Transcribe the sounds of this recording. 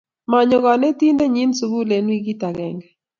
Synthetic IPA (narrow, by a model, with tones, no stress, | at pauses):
ma˨ɲɔ˨ɡɔ˨nɛ˦ti˦nde˦ɲi˦nsu˨ɡu˦le˨nwi˦ɡi˦ta˨ɡɛ˨ŋɡɛ˨